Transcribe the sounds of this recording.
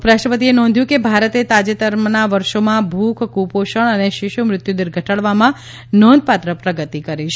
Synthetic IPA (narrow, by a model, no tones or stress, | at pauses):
pɾaʃʈʰəpət̪̬ienɔ̃n̆d̪ʱjũkebʱaɾət̪et̪ad͡ʒet̪əɾmnaʋəɾʃomãbʱukʰkupoʃəɳəneʃɪʃumɾɪt̪jud̪ɪɾɡʱəʈəɭʋamã | nɔ̃nd̪̚ʱpat̪ɾəpɾəɡət̪ikəɾiʃʰ